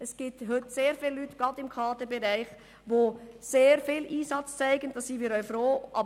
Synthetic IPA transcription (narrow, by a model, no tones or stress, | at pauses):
ɛsɡ̥itɦʏtseːɾfiːlːytɡ̥ɑtɪmkʰɑːtəbɛɾæɪχ | ʋoːseːɾfiːliːsɑt͡st͡sæɪɡənd̥ɑːssinmiːɾœʏfɾoːʔɑ